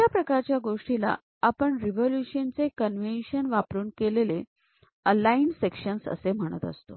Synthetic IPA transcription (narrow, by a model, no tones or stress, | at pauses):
japɾəkaɾt͡ɕjaɡoʂʈila̰ | apəɳɾiʋoljuɕənt͡sekənʋenɕənʋapɾuːnkelele | əlainsekɕənsə̰sem̤əɽ̃ə̰t̪ə̰st̪o̰